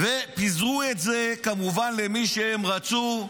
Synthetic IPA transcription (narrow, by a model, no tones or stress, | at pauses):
vepizʁuetzekamuvanlemiʃehemʁat͡su